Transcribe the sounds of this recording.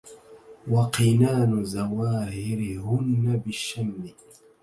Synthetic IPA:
waqinaːnʊzawaːhɪɾɪhʊnːabɪʃːamːɪ

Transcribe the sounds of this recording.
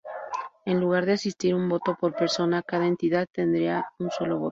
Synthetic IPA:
e̞nluɣ̞aɾðeasist̪iɾumbo̞t̪o̞po̞ɾpe̞ɾso̞nakaðae̞nt̪iðaðt̪e̞nd̪ɾiaunso̞lo̞β̞o̞̰t̪o

